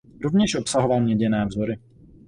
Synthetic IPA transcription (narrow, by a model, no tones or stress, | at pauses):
ɾovɲɛʃʔo̞psaɦovalmɲɛɟɛnɛːvzoɾɪ